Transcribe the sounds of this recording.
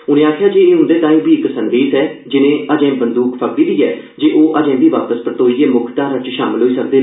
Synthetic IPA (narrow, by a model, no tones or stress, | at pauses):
ʊnẽːaːkʰjaːd͡ʒeːeːɦʊ̃nd̪eːt̪ãːĩːbiːɪksənd̪eːsɛːd͡ʒɪnẽːəd͡ʒɛ̃ːbənd̪uːkpʰək̚d̪iːd̪iːɛː | d͡ʒeːʔoːʔəd͡ʒɛ̃ːb̪iːʋaːpəspɾət̪oːiːeːmʊkʰt̪aːɾət͡ʃʃaːmɪlɦoːiːsək̚d̪eː